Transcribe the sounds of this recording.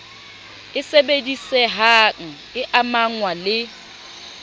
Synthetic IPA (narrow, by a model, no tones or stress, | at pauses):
ɪsebedisɛɦaŋ̩ | ɪʔamaŋwalɪ